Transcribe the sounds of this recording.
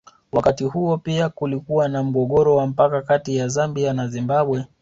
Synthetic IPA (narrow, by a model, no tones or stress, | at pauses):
wakatihuɔpiakulikuwanam̩ɠɔɠɔɾɔwam̩pakakatijazambianazimbaɓwɛ